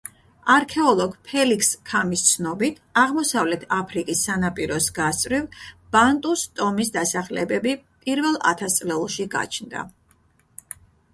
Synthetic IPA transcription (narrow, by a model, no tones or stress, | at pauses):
aɾkʰɛɔlˠɔɡpʰɛlikʰskʰamist̪sʰnɔbit̪ʰaʁmɔsavlɛt̪ʰapʰɾikʼisːanapʼiɾɔsɡ̥ast̪ʼɾivb̥ant̪ʼust̪ʼɔmisd̪asaχlɛbɛbipʼiɾvɛlˠa̰t̪ʰast̪sʼlɛlˠʃiɡa̰t͡ʃʰnd̪a̰